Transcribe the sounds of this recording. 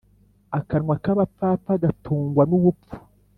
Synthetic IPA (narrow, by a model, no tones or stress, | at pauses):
akaɾŋwakaβapaːpaɡatʰuːŋɡwanuβufu̥